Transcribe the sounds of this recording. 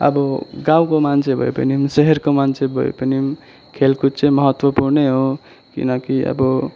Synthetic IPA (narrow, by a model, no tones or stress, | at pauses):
ʌ̰bʌɡãw̃komant͡sʰebʱʌ̰ḛpʌ̰nimseɦʌrkomant͡sʰebʱʌ̰ḛpʌnim | kʰelkut͡sʌj̃mʌɦʌt̪wʌpurneɦo | kḭnʌkiʌ̰bʌ